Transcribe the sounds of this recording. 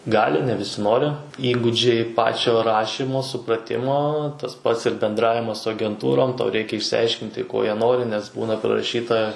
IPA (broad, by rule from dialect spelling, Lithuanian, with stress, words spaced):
ˈɡɑːlʲɪ nʲɛ ʋʲɪˈsʲɪ ˈnoːrʲɪ ˈiːɡuːd͡ʒʲɛɪ ˈpɑːt͡ʃʲoː ˈrɑːʃʲiːmoː sʊprɐˈtʲɪmoː tɐs pɐts ɪr bʲɛnˈdrɑːʋʲɪmɐs sʊ ɐɡʲɛnˈtuːroːm ˈtɐʊ ˈrʲɛɪkʲɛ ɪʃʲsʲɪˈɐɪʃʲkʲɪnʲtʲɪ ˈkoː ˈjiɛ ˈnoːrʲɪ nʲɛs ˈbuːnɐ pʲrʲɪrɐˈʃʲiːtɐ